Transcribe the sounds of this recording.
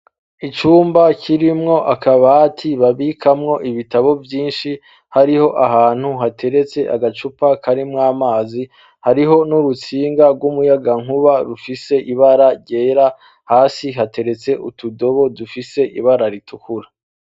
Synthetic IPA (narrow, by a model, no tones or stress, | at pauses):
it͡ʃuːmbacʰiɾimŋo̞ʔakaβatʰiβaβikʰamŋo̞ʔiβitaβo̞vjiːnʃi | haɾiho̞ʔaɦaːn̥huɦatʰe̞ɾe̞t͡se̞ʔa̰ɡat͡ʃupakʰaɾimŋaːmaːzi | haɾiɦo̞nuɾut͡siːŋɡaɾɡwumujaɡaŋ̥huβaɾufise̞ʔiβaɾaɾɟe̞ːɾa | haːsiɦate̞ɾe̞t͡se̞ʔutudo̞βo̞dufise̞ʔḭβaɾaɾitʰukuɾa